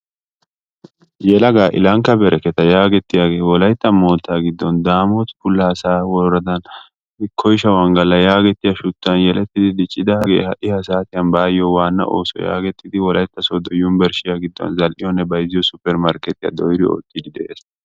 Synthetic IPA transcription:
jɛlɐɡaːʔɪ̰lɐŋkːɐbɛɾɛkɛt̪ɐjaːɡɛt̪ːɪjaːɡe̞ːwɔlɐjt̪ːɐmo̞ːt̪ːaːɡɪd̪ːɔnd̪aːmɔt̪fʊlːɐsaːwɔɾɐd̪ɐn | ɪkʰːɔjʃɐwɐŋɡɐlːɐjaːɡɛt̪ːɪjɐʃʊt̪ːɐnjɛlʔɛt̪ːɪd̪ɪd̪ɪt͡ʃʼːɪd̪ɐɡḛːhɐ̰ʔɪhɐsaːt̪ɪjɐnbaːjɔwaːnːɐ̰ʔo̰ːsɔ̰ja̰ːɡɛt̪ːɪd̪ɪwɔlɐjt̪ːɐsɔd̪ɔjːʊmbɛɾʃɪjaɡɪd̪ːɔ̰nzɐlʔɪjɔnːɛbɐjɪzɪjɔsʊpːɛɾmɐɾkɛt̪ɪjɐ̰d̪ɔjɪɾɪo̰ːt̪ːɪd̪ɪd̪ɛʔeːs

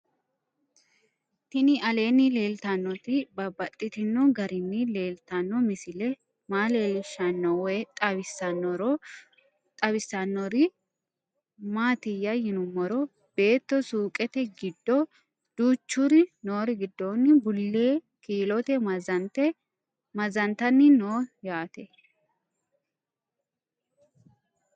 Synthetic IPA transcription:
t̪ɪnɪɐle̞ːnːɪle̞ːlt̪ɐnːɔt̪ɪbɐbɐt̪ʼːɪt̪ɪnːɔɡɐɾɪnːɪle̞ːlt̪ɐnːɔmɪsɪlɛ | maːle̞ːlɪʃɐnːɔwɛt̪ʼɐbɪsːɐnːɔɾɔ | t̪ʼɐbɪsːɐnːɔɾɪ | maːt̪ɪjːɐjɪnʊmːɔɾɔ | b̥e̞ːt̪ːɔsuːkʼɛt̪ɛɡɪd̪ːɔ | d̪̥uːt͡ʃːʊɾɪnoːɾɪɡɪd̪ːoːnːɪbʊlːeː | kiːlɔt̪ɛzɐnt̪ɛ | mɐzɐnt̪ɐnːɪnoːjaːt̪ɛ

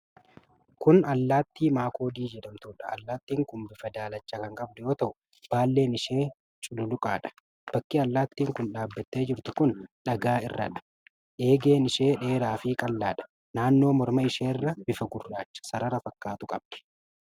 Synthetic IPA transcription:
kʊnɐlːaːt̪ːiːmaːkʰo̞ːd̪iːd͡ʒɛᶑɐmt̪uːᶑɐɐ̰lːaːt̪ːiːŋkʊmbɪfɐd̪aːlɐt͡ʃːɐkɐŋkʼɐbd̪ʊjo̞ːt̪ɐʔʊ | b̥aːlːe̞ːnɪʃe̞ː | t͡ʃʼʊlʊlʊkʼaːᶑɐ̥ | b̥ɐkːiɐlːaːt̪ːiːŋkʊnᶑaːbːɐt̪ːe̞ːd͡ʒɪɾt̪ʊkʊnᶑɐɡaːɪ̰rːɐ̰ᶑɐ̥ | ʔe̞ːɡe̞ːnɪʃe̞ːᶑe̞ːɾaːfɪkʼɐlːaːᶑɐ̥ | naːnːo̞ːmɔɾmɐɪʃeːrːɐbɪfɐɡʊrːaːt͡ʃːɐ̥sɐɾɐɾɐfɐkːaːt̪ʊkʼɐb̚d̪̥ɪ̥

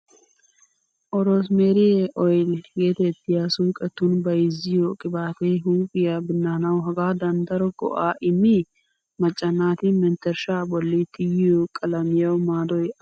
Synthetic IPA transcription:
ʔɔɾos̬meːɾɪjeʔɔjlɡe̞ːt̪ɛt̪ːɪjaːsuːkʼɛt̪ːʊnbɐjɪzːɪjɔkʼɪbaːt̪eɦuːpʼɪjabɪnːaːnɐwɦɐɡaːd̪ɐnd̪ɐɾɔɡɔ̰ʔaːʔɪmːi | mɐt͡ʃʼːɐnːaːt̪ɪmɛnt̪ɛɾʃaːbɔlːɪt̪ɪjɪjokʼɐlɐmɪjɐwmaːd̪ɔj

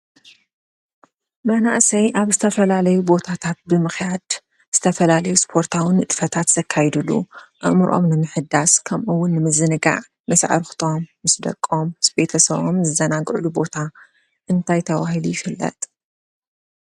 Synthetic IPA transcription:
mɐnaʔsɐjʔaβzɨt̪ʰɐfɐlalɐjubo̞t̪ʰat̪ʰat̪̚bɨmɨxjad̪ | z̥ɨt̪ʰɐfɐlalɐjuspʰo̞ɾt̪ʰawɨnɨt̪ʼfɐt̪ʰat̪z̥ɐkʰːajd̪ɨlːṵʔɨʔmɨɾʔo̞̰mnɨmɨħɨd̪askʰɐmʔɨwːʊnːɨmɨzɨnɨɡa̰ʕ | mɐsʕa̰ɾxt̪ʰo̞mːɨsd̪ɐ̰kʼːo̞mːɨsbe̞t̪ʰɐsɐβomzɨzɐnaɡɨʕlubo̞t̪ʰa | ʔɨnt̪ʰajt̪ʰɐwahilujɪfɨlːɐ̰t̪ʼ

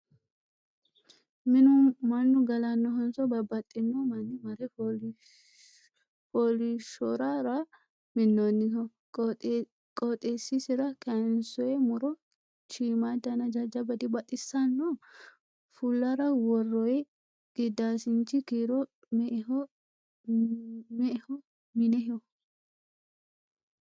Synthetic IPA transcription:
mɪnʊmɐnːʊɡɐlɐnːɔɦɔnsɔbɐbːɐt̪ʼːɪnːɔmɐnːɪmɐɾɛ | pɔlɪʃɔɾaɾɐ | mɪnːɔnːɪɔ | kʼɔt̪ʼesːisɪɾɐkɐnsɔɛmʊɾɔ | t͡ʃiːmaːd̪ɐnɐd͡ʒɐd͡ʒɐbɐd̪ɪbɐt̪ʼɪsːɐnːɔ | fʊlːɐɾɐwɔrːɔjɛ | ɡ̥ɪd̪aːsɪnt͡ʃːɪkiɾɔ | mɔ | mɛhɔ | mɪnɛɦɪɔ

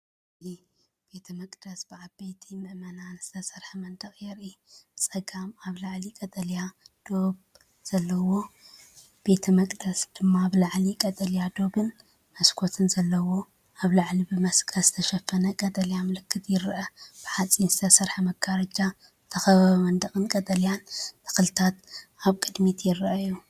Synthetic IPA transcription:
li | b̥e̞t̪ʰɐmɐkʼd̪̥ɐsbɨʕabejt̪ʰimɨʔmɐnanz̥ɨt̪ʰɐsɐɾħɐmɐnd̪ɐχʼjɛɾit͡sʼɐɡamaβlaʕlikʼɐt̪ʼɐljad̪̥o̞b | z̥ɐlːɐwo̞ | b̥e̞t̪ʰɐmɐkʼd̪ɐsd̪̥ɨmːaβlaʕlikʼɐt̪ʼɐljad̪o̞bɨn | mɐskʰo̞t̪ʰɨnzɐlːɐwo̞ | aβlaʕlibɨmɐskʰɐzɨt̪ʰɐʃɐfːɐnɐkʼɐt̪ʼɐljamɨlɨkːɨt̪ʰjɪɾʔɐb̥ɨħat͡sʼinzɨt̪ʰɐsɐɾħamɐɡaɾɐd͡ʒa | t̪ʰɐxɐβɐβɐmɐnd̪ɐkʼɨnkʼɐt̪ʼɐljant̪ʰɐ̥xɨlɨt̪ʰat̪aβkʼɨd̪mit̪ʰjɪɾʔɐju

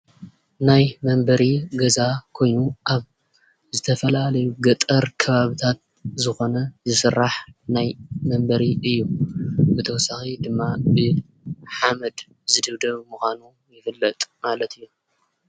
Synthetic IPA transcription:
najmɐmbɐɾiɡɐzakʰo̞jnuʔaβ | zɨt̪ʰɐfɐlalɐjuɡɐt̪ʼɐɾkʰɐβaβɨt̪ʰat̪̚ | zɨxo̞nɐzɨsɨrːaħnajmɐmbɐɾiɨjːubɨt̪ʰɐwɔsaxid̪ɨmːabɨ | ħamɐd̪ | zɨd̪ɨβd̪ɐβmuxʷanu | jɪfɨlːɐt̪ʼmalɐt̪ʰɨjːu

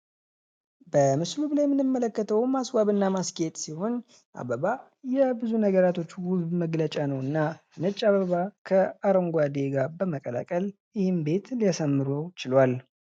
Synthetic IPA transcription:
bəmɨslublajmɨnɨmːələkːət̪ʰəwmaswaβɨnːamaskʰet̪ʼsiho̞n | ʔa̰βəβa | jɛbɨzunəɡəɾat̪ʰo̞t͡ʃːwʊbməɡlət͡ʃʼanəwɨnːanɨt͡ʃʼːaβəβakʰəaɾəŋɡʷad̪eɡabəməkʼəla̰kʼəl | jɪhɪmbe̞t̪lijasəmːɨɾəwt͡ʃɪlwal

